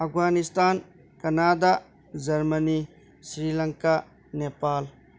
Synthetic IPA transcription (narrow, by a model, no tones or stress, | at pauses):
apɡanist̪ʰan | kɐnad̪a | d͡ʒɐɾməni | sɾilɐŋka | nepal